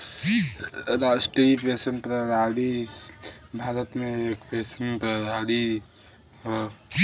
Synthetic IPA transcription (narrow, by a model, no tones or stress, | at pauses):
ɾaːsʈɾipeːsənpɾəɾaːɽi | bʱaːɾət̪mẽeːkpeːsənpəɾaːɽi